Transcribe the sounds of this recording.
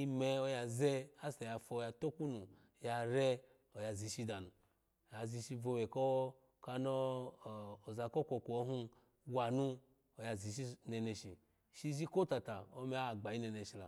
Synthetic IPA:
i˧me˧o˦˧ja˧ze˦a˦sa˨ja˧fo˧˨ja˧to˦ku˦nu˨ | ja˧ɾe˦ | o˨ja˧zi˨˧ʃi˧da˨nu˨ | ja˨zi˧ʃi˧vo˧we˨ko˦ | ka˧noː˦˨ | za˧ko˦kʷo˧ku˨o˧˦ɦu˦ | wa˨nu˦ | o˨ja˧˨zi˨ʃi˦ne˧ne˧ʃi˨ | ʃi˧ʒi˦ko˦ta˨ta˨o˦me˨˦a˦˨ɡ͡ba˨i˦ne˧ne˧˨ʃi˧la̰˨

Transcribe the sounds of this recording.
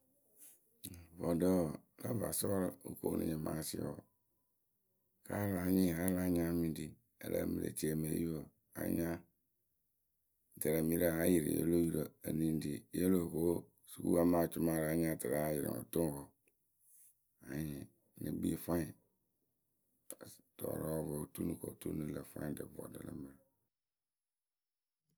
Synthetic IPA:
vɔ˨də˦wla˦va̰˨sɔ˦ɾo˦ko˨˦nʔṵ̃˨ɲɛ̃˨ma̰˨˦sɪ̰˦˨ɔ˨ | ka˦la˨˦ɲĩ˦˨a˦la˦ɲ˦ã˦mĩ˨ndi˨ | ɛ˨la̰˨mi˨lḛ˨t͡ʃi˦e˨me˨˦ji˦o˦˨ | a̰˨˦ɲ˦ã˦˨ | da˨ɾa˨mĩ˨˦ɾa˨a˦ji˨ɾḭ˨jḛ˦lo˦ji˨ɾo˨e˨nĩ˨n˨di˨je˦lo˨ko˦ | su˨kṵ˦a˦mã˦˨t͡ʃʊ˦ma˨ɾa˨˦ɲ˦a˦˨ta˨ɾa˨˦jɪ˨ɾɪ̰˨ɔ̰˨tʊ̃˦˨hɔ˨ | a˨ɲɪ˨ | nɪ̰̃˨bḭ˦fã˦˨ | tɔ˨ɾɔ˦ɔ˦vɔ˨tu˦nũ˦˨kɔ̰˨tu˦nũ˦lɛ˨fã̰˦˨˦dɪ˨vɔ̰˨dɛ̰˨lɛ̰˦mã˨

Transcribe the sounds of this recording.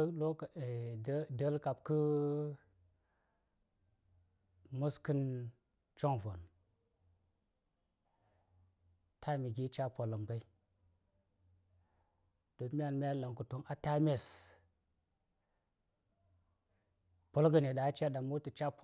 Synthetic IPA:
lo˦˨˦də˦lka˨p̚kə˦ | mu˦skɨ˦n | t͡ʃo˦ŋvo̰˨n | tʰa˦mi˨ɡʲi˦t͡ʃa˦po˨lːə˨mka˦i˦ | d̥o˨mi˦a˦˨nmʲ˦a˦la˨ŋku˨to˦ŋʔa˨ta˦me˦s | po˨lɡə˨ne˨da˨˦t͡ʃa˦da˨mu˦ti˨t͡ʃa˦p

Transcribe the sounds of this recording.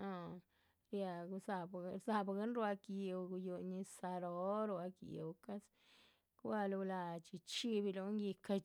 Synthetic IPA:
a˧ | ɾja˧ɡu˧za˧˨bza˧bɡa˦nɾwa˧kji˧wɡu˧ju˧ɲi˧sa˧ɾo˦ɾu˧a˧kḭ˧wka˦s | ka˦˧lu˧la˧t͡ʃi˧t͡ʃi˦bi˧lo˧ŋɡi˧ka˧

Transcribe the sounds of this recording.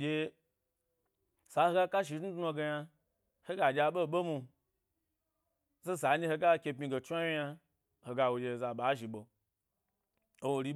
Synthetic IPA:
d͡ʒʲe˧ | sa˨˦ho˧ɡa˦ka˦ʃ̬i˨tn̩u˦tno˧ɡe˧ja˧ | he˦ɡa˨d͡ʒʲa˧˦ɓo˦˨ɓo˦mu˧ | ze˦sa˨˦ɲi˧he˧ɡa˦˧kʲe˧p̬mi˧ɡe˨t͡ʃu˦a˦wi˦ja˧ | ho˧ɡa˧wo˧d͡ʒe˧˨za˧ɓa˨˦ʒi˨ɓo˧ | o˦wo˧ɾi˦ɓ

